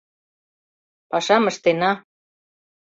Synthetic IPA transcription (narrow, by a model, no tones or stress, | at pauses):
pɑʃɑmə̆ʃt̪enɑ